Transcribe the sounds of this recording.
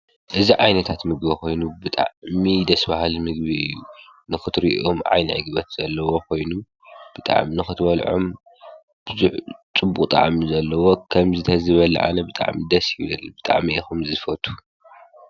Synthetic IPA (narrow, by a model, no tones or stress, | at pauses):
ʔɨziʕajnɐt̪ʰat̪mɨɡbɐkʰo̞jnubɨt̪ʼa̰ʕmid̪ɐsbahalmɨɡβiɨjunɨxɨt̪ʰɾiʔʔomʕa̰jnɐ̰ʕɨ̰ɡɨβɐt̪z̥ɐlːɐwo̞kʰo̞jnu | b̥ɨt̪ʼa̰ʕminɨxɨt̪ʰbɐlʕo̰m | b̥ɨzuħt͡sʼɨbːukʼt̪ʼa̰ʕmizɐlːɐwo̞kʰɐmzɨt̪ʰɐzɨβɐlɐ̰ʕa̰nɐbɨt̪ʼa̰ʕmid̪ɐsjɪβlɨlb̥ɨt̪ʼa̰ʕmiixumzɨfɐt̪ʰu̥